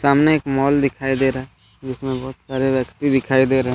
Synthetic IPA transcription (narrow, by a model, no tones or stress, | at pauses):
saːmneeːkmɔːld̪ɪkʰaːid̪eːɾaɛ | d͡ʒɪsmẽbɔːt̪saːɾeʋjəkt̪id̪ɪkʰaːid̪eːɾeɦɛ̃